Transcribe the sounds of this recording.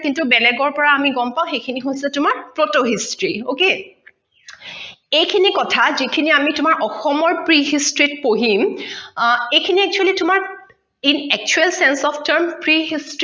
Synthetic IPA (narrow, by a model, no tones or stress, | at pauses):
kintubɛlɛɡɔɹpɔɹaːmiɡɔmpaʊ̃xejkʰiniɦojsɛtʊmaɹpɹotoɦistɹioke | ejkʰinikɔtʰazikʰiniamitʊmaɹʔɔxɔmɔɹpɹiɦistɹit̚poɦim | ejkʰiniɛk̚t͡ʃualitʊmaɹ | inɛk̚t͡ʃuɛlsɛnsɔpʰtəɹmpɹiɦistɹ